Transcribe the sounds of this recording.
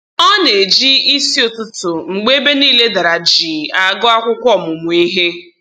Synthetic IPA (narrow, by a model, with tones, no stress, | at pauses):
ɔ˦ne˨d͡ʒi˦i˦si˦o˨tʊ˦tʊ˨ŋ͡m̩˨ɡ͡be˦be˦niː˦le˦da˨ɾa˨d͡ʒiː˨a˨ɡɔ˦a˦kʷʊ˦kʷɔ˦˨mʊ˨mʊ˨i˦ɦe˦